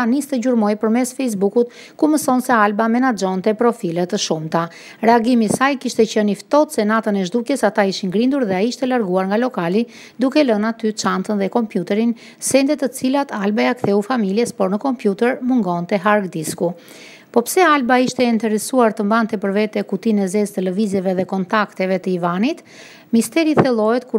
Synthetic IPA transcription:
anist̪ɛɟuɾmɔjpəɾmɛsfɛjs̬bukut̪̚ | kuməsɔnsɛalbamɛnad͡ʒɔnt̪ɛpɾɔfilɛt̪əʃumt̪a | ɾɛaɡimisajkiʃt̪ɛcənift̪ɔt̪sɛnat̪ənɛʒd̪ukjɛsat̪aiʃinɡɾind̪uɾðɛaiʃt̪ɛlaɾɡuaɾŋɡalɔkali | d̪ukɛlənat̪yt͡ʃant̪ənðɛkɔmpjut̪ɛɾin | sɛnd̪ɛt̪ət͡silat̪albajakθɛufamiljɛspɔɾnəkɔmpjut̪ɛɾmuŋɡɔnt̪ɛɦaɾɡd̪isku | pɔpsɛalbaiʃt̪ɛint̪ɛɾɛsuaɾt̪əmbant̪ɛpəɾvɛt̪ɛkut̪inɛzɛzt̪əlɛvizɛvɛðɛkɔnt̪akt̪ɛvɛt̪əivanit̪ | mist̪ɛɾiθɛlˠɔɛt̪ku

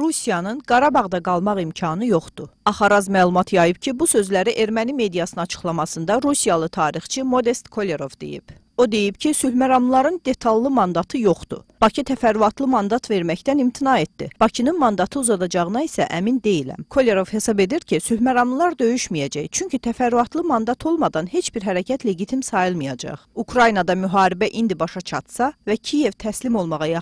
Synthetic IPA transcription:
ɾusijɑnɯnɡɑɾɑbɑʁd̪ɑɡɑlˠmɑʁimcʰɑnɯjo̞χd̪uɑχɑɾɑzmæːlˠumɑt̪ʰjɑjɯbcʰibusø̞zlæɾiʔe̞ɾmænime̞d̪ijɑsɯnɑt͡ʃʰɯ̥χlˠɑmɑsɯnd̪ɑɾusijɑlˠɯt̪ʰɑːɾiχt͡ʃʰimo̞d̪e̞st̪kʰo̞lʲe̞ɾo̞vd̪e̞̰jḭb̥ | o̞d̪e̞jibcʰisylhmæɾɑmlˠlˠɑɾɯnd̪e̞t̪ʰɑlˠːɯmɑnd̪ɑt̪ʰɯjo̞χd̪ṵb̥ɑcʰit̪ʰæfæɾːuɑt̪ʰlˠɯmɑnd̪ɑt̪ʰve̞ɾmæçt̪ænimt̪ʰinɑe̞t̪̚d̪ḭb̥ɑcʰinɯnmɑnd̪ɑt̪ʰɯuzɑd̪ɑd͡ʒɑʁɯnɑisæ̰ʔæmind̪e̞jilæ̰mkʰo̞lʲe̞ɾo̞v̥he̞sɑbe̞d̪iɾcʰisylhmæɾɑmlˠlˠɑɾd̪ø̞jyʃmijæd͡ʒæjt͡ʃʰyɲcʰit̪ʰæfæɾːuɑt̪ʰlˠɯmɑnd̪ɑt̪ʰo̞lˠmɑd̪ɑnhe̞t͡ʃb̥iɾɦæɾæcʰæt̪ʰle̞ɟit̪ʰimsɑjɯlˠmɯjɑd͡ʒɑ̰χukʰɾɑjinɑd̪ɑmyɦɑːɾibæʔind̪ibɑʃɑt͡ʃʰɑt̪sɑvæcʰije̞vt̪ʰæslimo̞lˠmɑʁɑjɑ

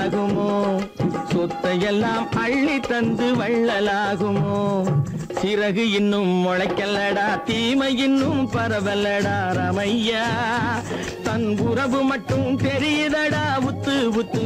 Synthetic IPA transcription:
ɣɯmoːsɔt̪ːɐjɛlːaːmɐɭːit̪ɐnd̪ɯʋɐɭːɐlaːɣɯmoː | sɪɾɐɣɯɪnːɯmːɔɻɐɪkːɐlːɐɽaːt̪iːmɐjɪnːɯmpɐɾɐʋɐlɐɽaːɾɐmɐjːaː | t̪ɐnʋʊɾɐʋɯmɐʈːɯmp̪ɛɾɪjɐðɐɽaːʋʊt̪ːɯʋʊt̪ːɯ

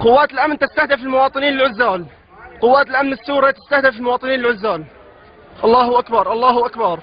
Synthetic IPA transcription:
qʊwːaːt̪ɪlʔamnt̪ɪst̪ahd̪ɪfɪlmʊwɑːt̪ˤɨniːnlɪlʕʊzːaːl | qʊwːaːt̪ɪlʔamnɪsːuːɾˤɑt̪ɪ̥st̪ahd̪afɪlmʊwɑːt̪ˤɨniːnɪlʕʊzːaːl | ʔɑlˤːɑːhʊʔakbɑɾˤʔɑlˤːɑːhʊʔakbɑɾˤ

